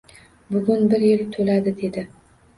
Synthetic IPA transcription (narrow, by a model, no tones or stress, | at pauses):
bʊɡʊnbɪɾjɪlt̪ʰɵlad̪ɪd̪e̞d̪ɪ